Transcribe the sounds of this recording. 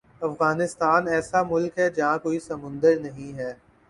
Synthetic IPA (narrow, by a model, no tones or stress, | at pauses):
ɐfɣaːnɪst̪aːnɛːsamʊlkɦɛd͡ʒɐɦãkoːisɐmʊ̃nd̪əɾnɐɦĩɦɛː